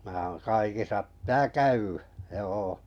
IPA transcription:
mæː oːn kɑikisɑ ptæː kæywæ̥ joː

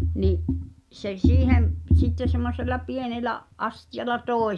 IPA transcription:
niʔ se siːhem p sitːe semːoselˑɑ pienelæʔ ʔɑstijɑlɑ toˑe

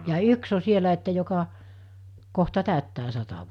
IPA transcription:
jɑː jɑ yks o sielæ etːæ jokɑ kohtɑ tæˑøtːæː sɑtɑ

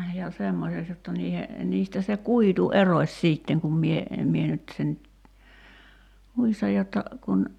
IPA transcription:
jɑ semːoseks jotːɑ niːhe niːstæ se kuitu erosʲ sˑiːtːeŋ kum mie mie nyt sen muistɑj jotːɑ kun

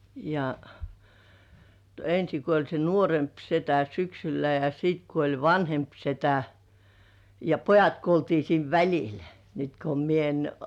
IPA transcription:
jɑ ensi kuolʲ se nuoremp setæ syksylæ jɑ siːt kuolʲ ʋɑnhemp setæ jɑ pojɑt kuoltiː siːn ʋælʲil nyt ko mie en

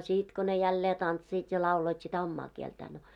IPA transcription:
sit ko ne jælːeː tɑntsiːt jɑ lɑuloit sitæ omːɑː kieltæː no

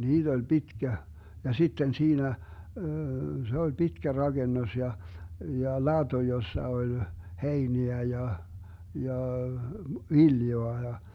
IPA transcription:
niːd̥ olʲ b̥itkæ jɑ sitːen siːnæ se ol b̥itkæ rɑɡ̊enːos jɑ jɑ lɑd̥o josːɑ olʲ heiniæ jɑ jɑ ʋiljoɑ jɑ

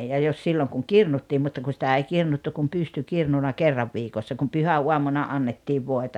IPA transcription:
jɑ jos silːoŋ kuŋ kirnutːiːm mutːɑ ku sitæ ei kirnutːu kum pystykirnunɑ kerːɑʋ ʋiːkosːɑ kum pyhæuɑmunɑ ɑnːetːiːʋ ʋoetɑ

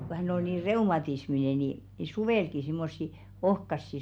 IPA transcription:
ko hænˑ ol niː reumɑtismine ni ni suʋeˑlki simːosːi ohkɑsːi

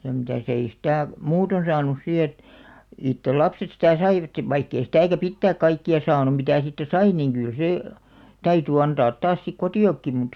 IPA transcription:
jɑ mitæˑs ei sĭtæˑ muːton sɑːnus si et itːel lɑpset sitæˑ sɑiʋɑt ʋɑikː ei sĭtæˑkæ pitːæːk kɑikːiɑ sɑːnum̆ mitæˑ siːtːæ sɑi niŋ ɡ̊yl seˑ tæyty ɑntɑːt tɑːs sik kotiˑokːi mut

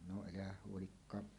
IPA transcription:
no elæhæh huolikːɑː

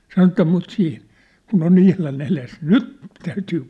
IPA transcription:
sɑno etːæ mut siːh kun on ihlɑn eles nyt tæytyː

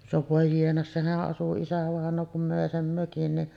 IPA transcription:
no ʋoˑe jienɑ sehæʔ ʔɑsu isæʋɑˑenˑoː kum møˑe sem møkin niʔ

